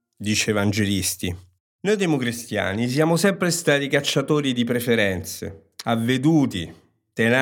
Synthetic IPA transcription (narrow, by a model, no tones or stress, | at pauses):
d̪iːt͡ʃeevand͡ʒelist̪i | noːjd̪emukɾist̪ja̰ːnis̬jaːmosɛmpɾest̪aːt̪ikat͡ʃːat̪oːɾid̪ip̬ɾefeɾɛnt̪sḛ | avːed̪uːt̪i | t̪ena